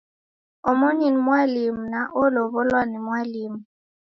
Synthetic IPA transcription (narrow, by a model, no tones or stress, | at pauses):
omoɲenimwalimunaʔʊlɔbʊlwanɛmwaliːmʊ